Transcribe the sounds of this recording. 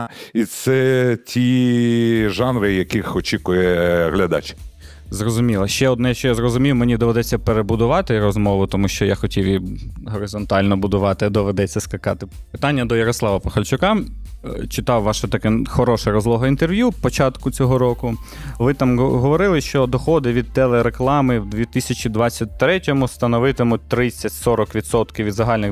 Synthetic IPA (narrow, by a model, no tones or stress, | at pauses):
it̪sɛtʲi | ʒɑnɾɪjɐkixɔt͡ʃʲikʊjɛɦlʲɐd̪ɑ̰t͡ʃ | zrɔzʊmʲilˠɐʃt͡ʃɛɔd̪nɛjaʃt͡ʃɔjazrɔzʊmʲiwmenʲid̪ɔʋed̪ɛt͡sʲːɐpeɾebʊd̪ʊʋɑt̪ɪɾɔzmɔʋʊt̪ɔmuʃt͡ʃɔjaxɔtʲiwjiɦɔɾɪzɔnt̪ɑlʲnɔbʊd̪ʊʋɑt̪ɪɐd̪ɔʋed̪ɛt͡sʲːɐskɐkɑ̰t̪ɪ | pɪt̪ɑnʲːɐd̪ɔjɐɾɔslˠɑʋɐpɐxɐlʲt͡ʃʊkɑmt͡ʃɪt̪ɑwʋɑʃɛt̪ɐkɛxɔɾɔʃɛɾɔzlˠɔɦɔint̪erʋʲjupɔt͡ʃɑt̪kʊt͡sʲɔɦɔɾɔkʊ | ʋɪt̪ɑmɦɔʋɔɾɪlˠɪʃt͡ʃɔd̪ɔxɔd̪ɪʋʲid̪̚t̪ɛlˠeɾeklˠɑmɪwd̪ʋʲit̪ɪsʲɐt͡ʃid̪ʋɑt͡sʲːɐt̚ʲt̪ɾɛtʲɔmʊst̪ɐnɔʋɪt̪ɪmʊt̚ʲt̪ɾɪt͡sʲːɐtʲsɔɾɔkʋʲid̪sɔt̪kɪwʋʲid̪zɐɦɑlʲnɪ